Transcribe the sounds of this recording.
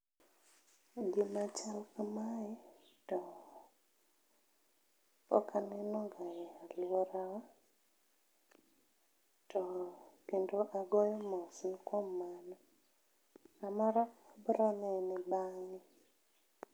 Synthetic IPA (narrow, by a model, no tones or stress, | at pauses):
ɡɪmat͡ʃalkamajɛtɔ | ɔ̰kʰanɛnɔŋɡajɛalɪoɾawa | tʰɔkendoʔaɡɔjɔmɔsnkomːanɔ | amɔɾaabɾɔnɛnɪbaŋni